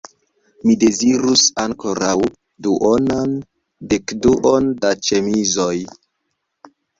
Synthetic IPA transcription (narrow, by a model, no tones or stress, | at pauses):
mide̞ziɾusaŋko̞ɾaw | duʔonan | dekduʔondat͡ʃe̞mizoj